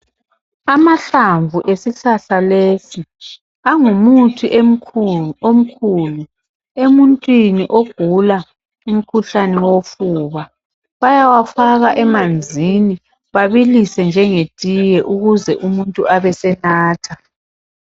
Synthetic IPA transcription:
amaɬaɱvʱuʔesiɬaɬaleːsi | aŋumutʰiʔe | om̩kʰuːlu | emuntʼwiniʔoɡ̥ʱula | um̩kʰuɬanɛwofuːβa | βajawafaɣaʔɛmand͡zʱini | βaβilisɛnd͡ʒʱɛŋetʼijɛʔuɣuzɛʔumuntʼuʔaβɛsɛnaːtʰa

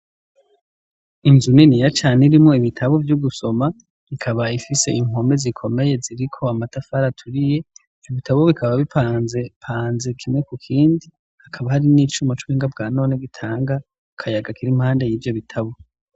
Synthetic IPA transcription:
inzuninijat͡ʃaːniɾimŋo̞iβitʰaβovjuɡuso̞ma | βikʰaβaifise̞iŋ̥o̞mbe̞zikʰo̞me̞je̞ziɾikʰo̞amatafaɾatʰuɾije̞ | viβitaβoβikaβaβipʰaːnze̞pʰaːnze̞kʰimŋe̞kukʰiːndi | hakʰaβahaɾinit͡ʃumot͡ʃuβiːŋɡab̚ɡaːno̞ːneɡitʰaːŋɡa | kʰajaɡakiɾim̥haːndejiːvjo̞βitʰaβo

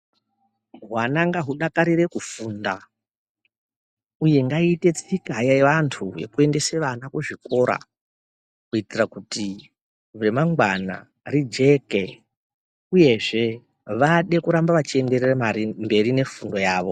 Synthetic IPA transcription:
ɦwanaŋɡaɦuɗakaɾire̞kufunda | uje̞ŋɡaite̞t͡sikajaeʋantʰuje̞̰kue̞nde̞seʋanakuʐiko̞ɾa̰ | kuitirakuti | ʋe̞maŋɡwana̰ | rid͡ʒe̞ke̞ | uje̞ʐe̞ | ʋaɗe̞kuɾambaʋat͡ʃie̞nde̞reraambe̞ɾine̞fundo̞jaːʋo̞

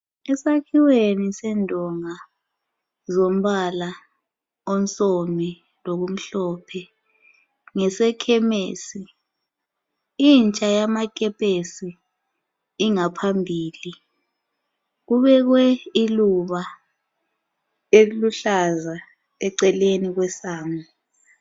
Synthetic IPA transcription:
ɛsakʰiwenisɛndʱɔŋa | zom̩ɓala | ont͡sʼomi | lok̬um̩ɬɔːpʰɛ | ŋɛsɛkʰɛmeːsi | int͡ʃʼajamak̬ʼɛpʼesiː | ŋapʰambʱiːli | ɣ̬uβɛɣ̬wɛiluβa | eluɬaza | ɛǀɛleniɣ̬wɛsaːmi

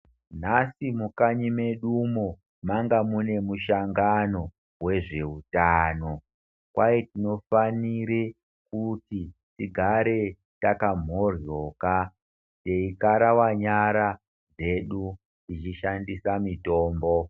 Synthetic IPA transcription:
nasimukaɲime̞ɗumo | maŋɡamune̞muʃaŋɡano̞ | we̞ʐe̞utaːno̞ | kwajetino̞faniɾe | kutitiɡʱaɾe̞ | takam̤o̞rjo̞ːka | de̞ikaɾawaɲaɾa | d͡ze̞ɗu | ndit͡ʃiʃandisamito̞ːmbo̞

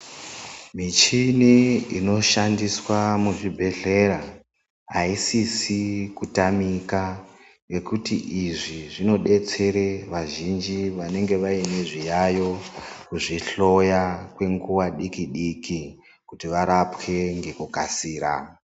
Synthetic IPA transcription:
mit͡ʃiniino̞ʃandiswamuʐibʱe̞ɮe̞ɾa | ɦaisisikutamika | je̞kutiʔiʐiʐino̞ɗe̞t͡se̞ɾeʋaʒind͡ʒiʋane̞ŋɡe̞ʋaine̞ʐijajo̞kuʐiɬo̞jakwe̞ŋɡuwaɗikiɗiki | kutiʋaɾapke̞ŋɡe̞kukasiːɾa̰

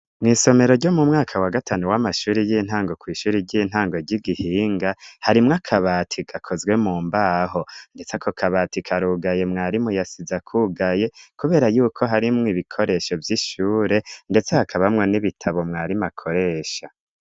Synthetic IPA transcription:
mŋiːso̞me̞ɾoɾɟo̞mumŋaːkʰawaɡatʰaːnuwamaʃuːɾijiːn̥haːŋɡo̞kwiːʃuːɾiɟiːn̥haːŋɡo̞ɟiɡihiːŋɡahaɾimŋakʰaβaːtʰiɡ̥akʰo̞zɡwe̞muːmbaːɦo̞nde̞t͡sekʰokʰaβaːtikʰaɾuːɡaje̞mŋaːɾimujasizakʰuɡaje̞kuβe̞ːɾajuːkʰo̞ɦaɾimŋiβikʰo̞ɾe̞ʃo̞vjiʃuːɾe̞nde̞t͡sehakʰaβamŋeniβitʰaβo̞mŋaːɾimakʰo̞ɾe̞ːʃa

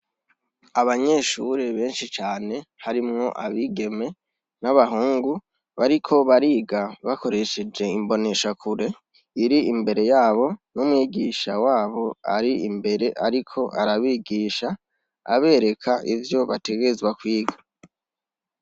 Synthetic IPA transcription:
aβaɲe̞ʃuɾeβe̞ːnʃit͡ʃaːne̞haɾimŋo̞ʔaβiɡe̞me̞ | naβaɦuːŋɡu | βaɾikʰo̞βaɾiːɡaβako̞ɾe̞ʃed͡ʒe̞imbo̞ne̞ʃakʰuɾe̞ | iɾiːmbe̞ɾe̞jaːβo̞numŋiːɡiʃawaːβo̞a̰ɾiimbe̞ɾe̞ʔaɾikʰo̞ʔaɾaβiːɡiːʃa̰ː | βe̞ːɾe̞kʰaʔivjo̞βate̞ɡe̞zwakwiːɡa

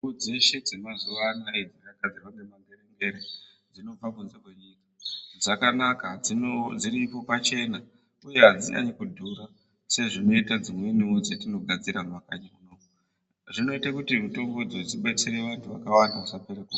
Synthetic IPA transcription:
ud͡ze̞ʃe̞d͡zinozuʋanaed͡zirakad͡zipanemaŋɡeɾeŋɡe̞ɾe | d͡zino̞b͡vakunze̞kwe̞ɲiːkḁd͡zakanakaid͡ziɾipo̞pat͡ʃe̞na | uje̞ɦad͡zḭɲa̰ɲekudʱuɾa | seʐino̞itad͡zimwe̞nimod͡zetino̞ɡʱad͡ziɾamakaɲaunoːku | ʐino̞itakutimuto̞ŋɡo̞d͡zod͡ziɓat͡siɾe̞ʋantʰuʋakawandausapeɾaku

